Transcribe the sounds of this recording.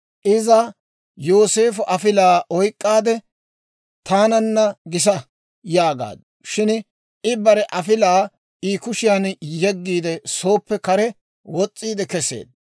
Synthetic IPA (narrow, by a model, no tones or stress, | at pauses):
ʔɪzɐ | joːse̞ːfʊʔɐfɪlaːʔɔjkʼːaːd̪ɛ | t̪aːnɐnːɐɡɪs̬ɐ | jaːɡa̰ːd̪ | ʃɪn | ɪbɐɾɛʔɐfɪlaː | iːkʊʃɪjanjɛɡːiːd̪ɛso̞ːpːɛkɐɾɛ | wɔt͡sʼːiːd̪ɛkɛsḛːd̪̚